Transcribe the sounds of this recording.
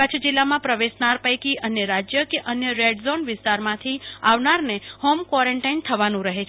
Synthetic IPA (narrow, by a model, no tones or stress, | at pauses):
ət͡ʃʰd͡ʒilːamãpɾəʋesnaɾpəjkiʔənjəɾad͡ʒjəkeʔənjəɾeɖzonʋɪst̪aɾmãt̪ʰiaʋnaɾnehomkʋɔɾeɳʈaint̪ʰəʋanũɾəɦet͡ʃʰ